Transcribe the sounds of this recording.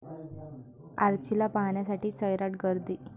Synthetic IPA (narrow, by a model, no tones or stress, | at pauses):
a̰ɾt͡ɕilapaɦɳjasaʈiːt͡səjɾaʈɡəɾd̪iː